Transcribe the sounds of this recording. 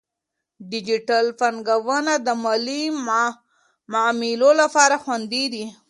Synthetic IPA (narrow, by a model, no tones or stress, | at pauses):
ɖɪd͡ʒiʈalfanɡawənad̪əmali | mamilolapɑɾaxwand̪id̪i